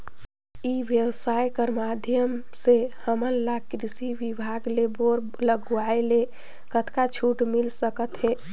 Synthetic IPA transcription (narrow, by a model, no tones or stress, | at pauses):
iʋjəwsajkəɾmad̪ʱjəm | sehəmənlakɾisiʋibʱaɡleboɾ | ləɡuaele | kət̪kat͡ʃʰuʈmilsəkət̪ɦeː